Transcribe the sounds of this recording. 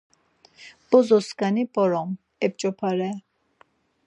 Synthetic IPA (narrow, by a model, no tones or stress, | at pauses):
b̥ɔzɔskanibʼɔɾɔm | ɛp̚t͡ʃʼɔpʰaɾɛ